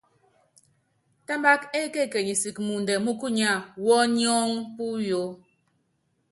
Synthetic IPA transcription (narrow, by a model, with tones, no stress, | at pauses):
ta˦mba˦ke˦ke˦˨ke˨ɲi˨si˨kmu˨n˨dɛ˨mu˦ku˦ɲa˦˨wɔ˦ɲi˦ɔ˦ŋpu˦jo˨˦